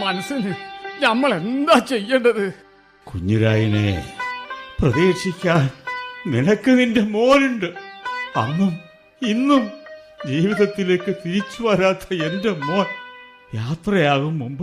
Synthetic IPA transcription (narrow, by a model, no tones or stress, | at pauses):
mɐnɐsɐnɨnɐmːɐɭend̪aːt͡ɕe̞jːeɳɖɐðɨ | kṵɲːuɾaːjinḛ | prɐðeːʂikʲːaːnninɐkːɨninde̞mo̞ːnuɳɖɨɐ̰nːum | inːum | d͡ʑiːʋiðɐt̪ːile̞ːkːɨt̪iɾit͡ɕːuʋɐɾaːt̪ʰːɐe̞nde̞moːn | jaːt̪rɐjaːɣumːumbɨ